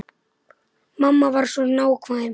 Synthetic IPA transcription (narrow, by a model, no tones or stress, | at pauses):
mamːavaɾsɔnawkʰvaɪm